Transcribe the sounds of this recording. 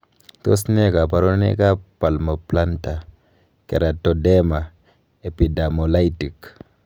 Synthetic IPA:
to˦sne˦ka˨pa˨ɾo˦nḛ˦ka˦pa˨lmo˨pla˦nta˨ | ke˨ɾa˨to˨de˦ma˨ | e˨pi˨da˨mo˨la˦jti˨k

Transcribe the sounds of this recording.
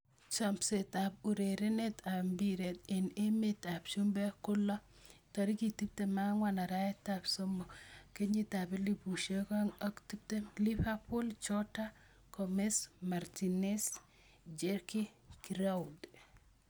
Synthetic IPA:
t͡ʃa˨mpset̪a˨p̚u˨ɾe˨ɾe˦net̪a˨mbiɾet̪ɪ˨ne˦meta˨pt͡ʃu˦mbe˦kʊ˦lɔ˦ | t̪ɔ˨ɾi˦ki˨ti˦p̚tema˦ŋwana˨ɾa˦jɛtapsɔmbɔ˨ke˦ɲit̪ape˦lipu˨ʃekɔ˦ŋɔ˦kti˦p̚te˦lifa˦pʊ˦lt͡ʃɔta | kɔmesmaɾtines | d͡ʒeɾkikiɾaud

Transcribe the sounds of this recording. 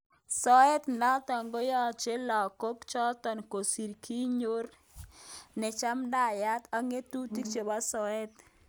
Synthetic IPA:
sɔ˦ɛ˦t̪na˦t̪ɔ˨ŋɡo˦jɔ˦˨t͡ʃe˦lɔ˨ko˦kt͡ʃɔ˦t̪ɔ˨nko˨si˨ɾkʰi˦ɲo˦r | nɪ˨t͡ʃa˦mda˦˨ja˦t̪a˨ŋe˦t̪u˦ti˦k̚t͡ʃe˨ba˦sɔ˨ɛ˦t̪̚

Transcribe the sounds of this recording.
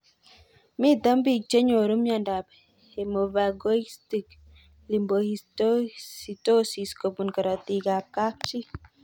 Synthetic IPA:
mi˦t̪a˦mbi˨k̚t͡ʃe˦ɲo˨ɾu˦mja˨nda˨b | he˨mo˨va˨ɡo˦isti˨k | li˨mbohitosito˦si˨sko˨bu˨nka˨ɾa˨t̪i˨ka˨p̚ka˦k̚t͡ʃi˦

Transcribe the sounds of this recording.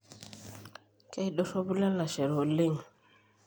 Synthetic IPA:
kɛ˦i˦dɔ˦sɔ˦bu˦la˦la˨ʃɛ˨ɾɔ˨le˦˨ŋ

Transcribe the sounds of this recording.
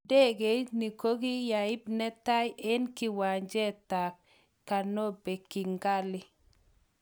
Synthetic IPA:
dɛ˦ɡe˨˦ni˨ko˦ɡi˦ja˨ɪ˦b̚nɛ˦ta˦jʔɛ˦nkɪ˦wa˨ɲd͡ʒɛ˦ta˨kː | a˨no˦be˨ki˨ŋɡa˦lɪ˦

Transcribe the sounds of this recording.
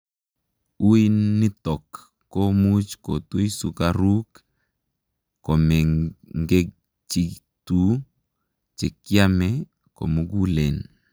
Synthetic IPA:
u˦i˦nːɪ˦tɔ˨kː | ɔ˦mu˦t͡ʃko˨tu˦i˦su˨kaɾu˦k | kɔ˨mɛ˨ŋɡe˦ | t͡ʃi˨ | tu˨˦ | t͡ʃe˨kja˦mɛ˦ | ko̰˨mu˨ɡu˦le˨n

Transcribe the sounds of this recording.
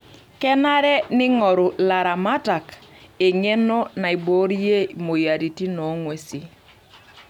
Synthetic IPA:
kɛ˦na˦ɾɛ˦nɪ˦ŋɔ˨ɾʊ˨la˨ɾa˨ma˦ta˨ke˨ŋe˦nɔ˦na˨i˨bo˨˦ɾi˦je˦˨mo˨ja˨ɾi˨ti˦nɔ˨˦ŋwe˦si˦

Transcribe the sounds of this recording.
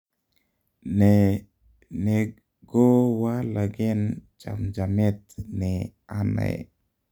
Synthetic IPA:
nɛ˨ | ɡo˦wa˦la˨ɡɪ˦nt͡ʃa̰˨md͡ʒa˨mɪ˦t̪nɪa˦na̰˨ḛ˨

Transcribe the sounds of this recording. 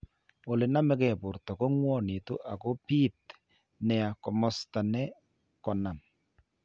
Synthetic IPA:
o˨lɪ˨na˦mɛ˦kɛ˦˨bʊ˨ɾtɔ˨kɔ˦ŋwɔ˦˨ni˨to̰˦ʔa˨ko˦pi˦t | nɛ˨a˨kɔ˨mɔ˦sta˨nɛ˦ | kɔ˨na˨m

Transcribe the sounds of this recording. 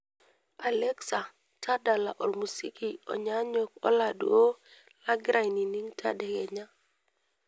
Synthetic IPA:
a˨lɛ˦ksa˨ | t͡ʃa˦da˨la˨ʔɔ˨lmu˨si˦ki˨ɔ̰˨ɲa˦ɲo˨kɔ̰˦la˨dṵ˨˦o˦ | la˦ɡɾʔa˨jni˨ni˦ŋtʰa̰˦dɛ˨ɡɛ˨ɲa˦

